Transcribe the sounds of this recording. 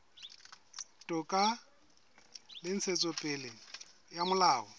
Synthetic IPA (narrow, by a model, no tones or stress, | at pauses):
tʼɔkʼa | lɪn̩t͡sʰet͡sʼɔpʼɪlɪ | jamʊlaːɔ